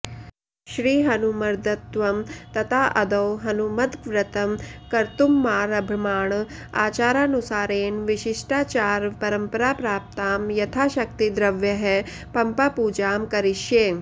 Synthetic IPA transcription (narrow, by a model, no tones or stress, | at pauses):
ʃɾiːɦɐnumɐɾd̪ɐt̪ʋɐmt̪ɐt̪ʰaːʔɐd̪ɐwɦɐnumɐd̪ʋɾɐt̪ɐmkɐɾt̪umːaːɾɐbʱimaːɳaːt͡ʃaːɾaːnusaːɾeːnʋiʃiʂʈaːt͡ʃaːɾpɐɾɐmpɐɾaːpɾaːp̚t̪aːmjɐt̪ʰaːʃɐk̚t̪id̪ɾɐʋjɐɦe | pɐmpaːpuːd͡ʒaːmkɐɾiʃjeː